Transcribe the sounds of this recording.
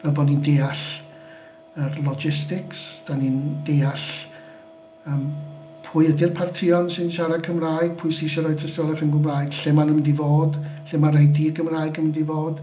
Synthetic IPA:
vɛlˠbɔːdnindeːaɬ | ərlˠɔd͡ʒɪstɪksd̥anindejaɬ | əːm | pʰʊːjədɪrpʰartʰɪɔnsɨnʃaɾakʰəmraːɨɡ̥̚pʰʊjsɪʃɔɾɔjtʰəstɔlˠɛχənɡəmraːɨɡ̥ɬɪmanəmədivoːdɬɪmaɾajdiːrɡʰəmraːɨɡəməndivoːd̥

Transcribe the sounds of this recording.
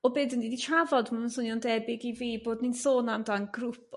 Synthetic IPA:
ɔbeːdəndiditʰravɔdmamənsʊnjɔndɛbɪɡiviːboːdninsoːnamdanɡrupʰ

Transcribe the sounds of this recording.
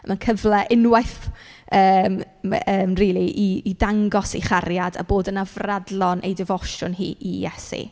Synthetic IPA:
mankʰəvlˠɛʔɪnwajθ | əːm | əːmriːlˠiʔiːdaŋɡɔsḭχarjada̰boːdənavradlˠɔnʔḛjdɪvɔʃrʊnɦḭːijɛsḭ

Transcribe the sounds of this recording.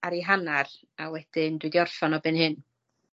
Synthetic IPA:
aɾiɦanar | awɛd̥ɪndwɨdiɔrfɔnɔbɨnhɨn

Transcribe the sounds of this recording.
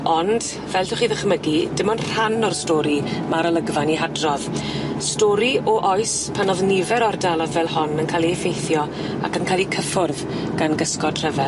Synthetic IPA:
ɔnd̥ | vɛltʰʊχiːðəχməɡidɪmɔnr̥anːɔrstɔːɾimaɾələɡvaniɦadrɔð | stɔɾiɔʔɔjs | pʰənɔðnɪvɛɾɔrdalˠɔðvɛlˠhɔnənkʰaːlˠiɛfejθjɔ | a̰kənkʰaːlˠikʰəfʊrð | ɡ̥anɡəskɔd̥r̥əvɛ

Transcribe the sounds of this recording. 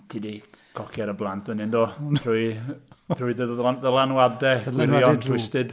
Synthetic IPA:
tʰidikʰɔkʰjɛɾəblˠantʰwənɪndoːrujθʰrujðəðəlˠanwadɛɪɾjɔntʰwɪstɪd̥

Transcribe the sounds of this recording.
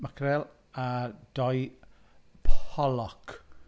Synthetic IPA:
makʰɾɛlˠ | ad̥ɔj | pʰɔlɔk

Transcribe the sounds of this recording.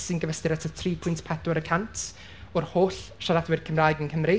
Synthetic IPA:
sinɡəvəstɪɾətʰətʰriːpʰʊjntpʰɛdɔɾəkʰantʰ | ɔrhoːɬʃaɾadwɪrkʰəmraːjɡənkʰəmri

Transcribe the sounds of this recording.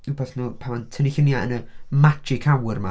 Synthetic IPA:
ubaθnuːpʰamantʰəniɬənjaənəmat͡ʃɪkʰawərma

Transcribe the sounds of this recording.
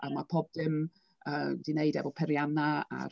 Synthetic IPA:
amapʰob̚dɪm | əːd̥ɪneɨdɛ̰vɔlpʰɛɾjanaa̰

